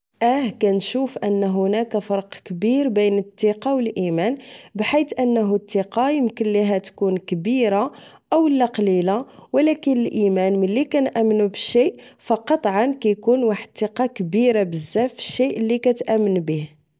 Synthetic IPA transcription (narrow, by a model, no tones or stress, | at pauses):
ʔæhkænʃufʔənːɦʊnækæfɑɾˤqkbiɾbæjnət̪ːiqɑwəlʔimænbħit̪ʔənːɦut̪ːiqɑjəmkənliɦæt̪kunkbiɾa | ʔəwəlːæqlilawlækənəlʔimænməlːikænʔæmːnubəʃːiʔfɑqɑt̪ˤʕɑnkæjkunwaħəd̪̚t̪ːiqɑkbiɾabəzːæfə̥ʃːiʔlːikæt̪ʔæmːənbih